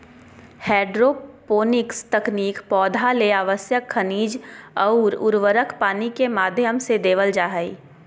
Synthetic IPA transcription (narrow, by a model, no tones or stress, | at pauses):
hɛːɖɾopoːnɪkst̪ɐkniːkpɔːd̪ʱaleaːʋəsjəkʰːəniːd͡ʒɐuɾʊ̰ɾʋəɾəkʰpaːnikemaːd̪ʱjəmsed̪eːʋəld͡ʒaːɦəḭː